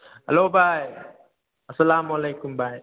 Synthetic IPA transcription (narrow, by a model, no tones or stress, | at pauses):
hɐ̰lobaj | ɐsɐlamualejkumbaj